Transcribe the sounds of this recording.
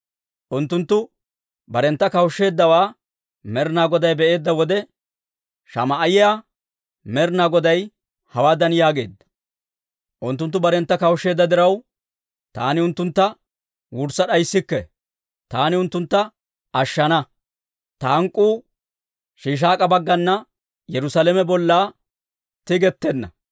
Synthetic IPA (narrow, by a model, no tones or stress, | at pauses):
ʔʊnt̪ːʊnt̪ːʊ | bɐɾɛnt̪ːɐkɐwʃːe̞ːd̪ːɐwaː | mɛɾnaːɡɔd̪ɐjbɛʔe̞ːd̪ːɐwɔd̪ɛ | ʃɐ̰mɐʔːjɪjaː | mɛɾnaːɡɔd̪ɐj | hɐwaːd̪ɐnjaːɡe̞ːd̪ːɐ̥ | ʔʊnt̪ːʊnt̪ːʊbɐɾɛnt̪ːɐkɐwʃe̞ːd̪ːɐd̪ɪɾɐw | t̪a̰ːnɪʊnt̪ːʊnt̪ːɐ | wʊɾsɐɗɐjsːɪkːɛ | t̪aːnɪʊnt̪ːʊnt̪ːɐ | ɐʃːɐnɐ | t̪ɐɐŋkʼːuː | ʃiːʃ̬aːkʼɐbɐɡːɐnːɐ | jɛɾʊsalɛmɛbɔlːaː | t̪ɪɡɛt̪ːɛnːɐ̰